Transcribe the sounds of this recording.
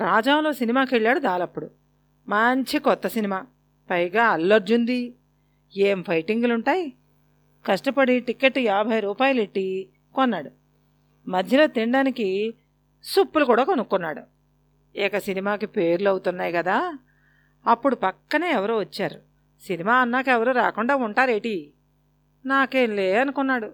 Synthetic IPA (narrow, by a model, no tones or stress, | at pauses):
ɾaːd͡ʒaːmlo̞ːsinimaːkeɭːaːɽud̪aːlɐpːuɽu | mɐɲt͡ʃikɔt̪ːɐsinimaː | pɐjɡaːɐlːɐɾd͡ʒund̪i | eːmpʰɐjʈiŋɡluɳʈaːji | kɐʂʈɐpɐɽiʈikːeʈːjaːbʱɐjɐɾuːpaːjɐleʈːi | kɔnːaːɽu | mɐd̪ʱjɐlo̞ːt̪iɳɖaːniki | supːulukuːɽaːkonukːunːaːɽu | ɛkɐsinimaːkipe̞ːɾluɐwut̪unːaːjkɐd̪aː | ɐpːuɽupɐkːɐneːɛʋɐɾuːʋɐt͡ʃːaːɾu | sinimaːɐnːaːkɛʋɐɾuːɾa̰ːkuɳɖaːuɳʈaːɾeːʈi | naːke̞ːnleːɐnukunːaːɽu